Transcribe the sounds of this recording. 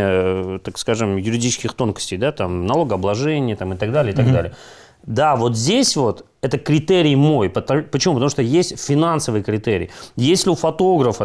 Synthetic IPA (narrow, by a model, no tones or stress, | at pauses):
ət̪akskaʐɨmjʊɾʲɪdʲit͡ɕɪ̥skʲɪxt̪o̞nkə̥sʲtʲɪjd̪at̪amnɐlˠo̞ɡəɐblˠɐʐɛnʲɪjət̪amɨt̪ɐɡd̪alʲɪəɪt̪aɡ̪alʲɪjə | d̪avo̞t̪zʲdʲesʲvo̞t̪ | ɛt̪əkɾʲɪt̪eɾʲɪjmo̞jpət̪pət͡ɕɪmupət̪ɐmuʂt̪ojesʲtʲfʲɪnansəvɨjəkɾʲɪt̪eɾʲɪ̰jesʲlʲɪʊfɐt̪o̞ɡɾəfə